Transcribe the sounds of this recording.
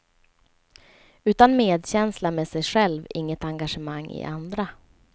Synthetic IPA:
ʉ̟ːt̪anmeːd̪ɕɛnslameːsɛjɧɛlvɪŋːət̪aŋɡaʂəmaŋːɪ̰ʔand̪ɾa

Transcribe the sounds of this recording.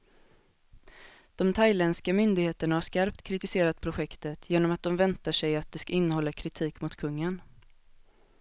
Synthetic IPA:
d̪̥ɔmt̪ʰajlɛnskamʏnd̪ɪɡheːt̪əɳahaʂkaɾp̚t̪kʰɾɪt̪ɪseːɾat̪̚pʰɾʊɧɛkt̪ət̪ʰjeːnɔmat̪̚d̪ɔmvɛnt̪aʂɛjat̪̚d̪ɛskaɪnːəhɔlːakʰɾɪt̪ʰiːkmʊt̪kʰɵŋːən

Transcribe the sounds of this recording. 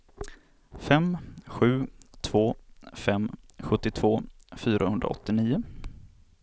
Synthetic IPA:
fɛmɧʉ̟ːt̪ʰv̥oːfɛmɧɵt̪ːɪt̪ʰv̥oːfyːɾʔahɵnd̪ɾa̰ɔ̰t̪ːɪniːʊ

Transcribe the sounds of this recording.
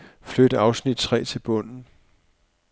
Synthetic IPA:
flød̥əɑ̈ʊsnid̥̚t͡sʰʁɛ̰ːt͡sʰe̝lb̥ɔ̽n̰n̩

